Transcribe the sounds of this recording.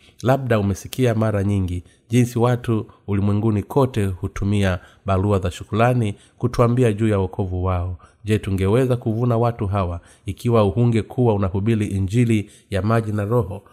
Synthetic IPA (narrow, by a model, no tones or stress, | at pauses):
laɓ̚ɗaumɛsi̥kiamaɾaɲiŋɡi | ʄinsiwatuːlimwɛŋɡunikʰɔtɛhutumia | ɓaluazaʃukulani | kutuambiaʄuːjawɔkʰɔvuwaɔʄɛtuŋɡɛwɛzakuvunawatuɦawa | ikʰiwauhuŋɡɛkʰuwaunahuɓiɾiʔiɲd͡ʒili | jamaʄinaɾɔhɔ